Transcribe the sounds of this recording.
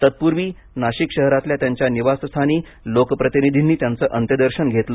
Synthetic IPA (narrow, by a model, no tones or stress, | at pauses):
t̪ət̪̚puɾʋiː | naɕikɕəɦɾat̪ljat̪jaɲt͡ɕjaniʋasst̪ʰaniː | lokpɾət̪inid̪ʱinːiːt̪jant͡səːʔənt̪jəd̪əɾɕənɡʱet̪lə